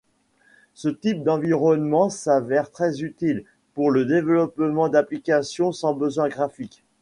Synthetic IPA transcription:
sət̪ip̚d̪ɑ̃viʁɔnmɑ̃savɛʁt̪χɛzyt̪il | puʁləd̪evlɔpmɑ̃d̪aplikasjɔ̃sɑ̃bəzwɛ̃ɡʁafik

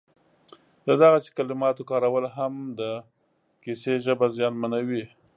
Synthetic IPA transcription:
d̪əd̪aɣase̥kalɪmɑt̪okɑɾawəlɦamd̪ə | kiseʒəbazjɑnmanawi

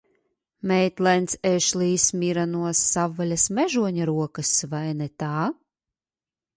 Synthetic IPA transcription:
mʲɛjt̪lˠɛnt̪sɛʃlˠiːsmʲiɾanuɔsːavːalʲasmɛʒuɔɲaɾuɔkasvajnɛt̪aː

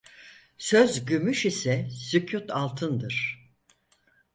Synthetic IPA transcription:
søzɟymyʃisɛsycʰut̪ʰalˠt̪ʰɯnd̪ɯɾ̝̥

